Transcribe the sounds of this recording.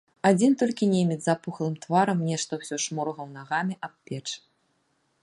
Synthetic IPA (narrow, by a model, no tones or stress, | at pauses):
ad͡zʲint̪ɔlʲkʲinʲemʲizapuxlˠɨmt̪vaɾɐmnʲɛʂt̪ɐwsʲɔʂmɔɾɐɣɐwnaɣamʲiʔapːʲɛt͡ʂ